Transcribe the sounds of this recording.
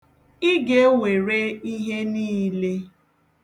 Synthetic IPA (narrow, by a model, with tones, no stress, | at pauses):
i˦ɡe˦we˨ɾe˦i˦ɦe˦niː˦le˦